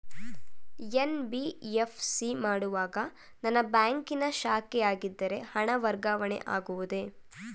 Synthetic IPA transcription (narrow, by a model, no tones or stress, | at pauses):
enbijefʰsimaːɽuʋaːɡɐ | nɐnːɐbaːŋkinɐʃaːkɛjaːɡid̪ːɐɾe̞hɐɳɐʋɐɾɡaːʋɐɳḛʔaːɡuʋud̪e̞